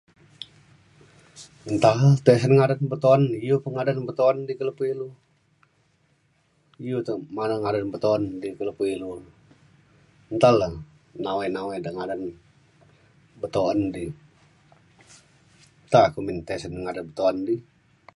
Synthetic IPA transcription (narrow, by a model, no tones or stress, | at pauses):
nt̪alt̪ɛsənŋadanbət̪onijupəŋadanbət̪oəndikələpuilu | ijut̪əmanəŋadanbət̪oəndikələpuilu | ənt̪alə | nawɛnawɛdəŋadan | bət̪oəndi | t̪akumint̪ɛsənŋadanbət̪oəndi